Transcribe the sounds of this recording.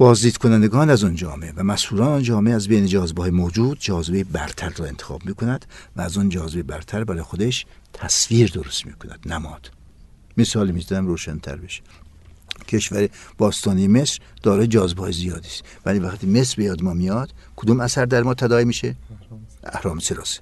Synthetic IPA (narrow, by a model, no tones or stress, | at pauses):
b̥ɒːzd̪iːd̪kʰonænd̪eɡɒːnæzɔnd͡ʒɒːmeevæmæshuːɾɒːnɔnd͡ʒɒːmeeæzbejned͡ʒɒːzebeːjemoːd͡ʒuːd̪d͡ʒɒːzebejebæɾt̪ʰæɾrɒːe̞nt̪ʰe̥xɒ̰ːbmiːkʰonæd̪̥væːzɔnd͡ʒɒːzebejebæɾt̪ʰæɾbæɾɒːjexod̪eʃt̪ʰæsfiːɾd̪oɾost̪mḭːkʰonæ̰d̪̥næmɒːd̪̥ | mesɒːlimizæmɾoːʃænt̪ʰæ̰ɾbeʃe̥ | kʰeʃvæɾeb̥ɒːst̪ɒːnijemesɾd̪̥ɒːɾɒːjed͡ʒɒːzebehɒːjezijɒːd̪iːst̪ | væliːvæxt̪ʰiːme̞sɾbe̞jɒːd̪emɒːmijɒd̪̥kʰod̪umæsæɾd̪æɾmɒːt̪ʰæd̪ɒːimiːʃe | æ̰hɾɒːmeseɾɒ̰ːse̥